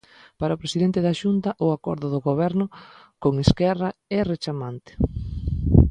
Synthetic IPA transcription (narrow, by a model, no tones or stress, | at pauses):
paɾɐʊpɾesiðent̪eðaʃunt̪ɐʔʊakɔ̰ɾðʊðʊɣoβɛɾnʊkoŋeskɛraɛret͡ʃamant̪ɪ̥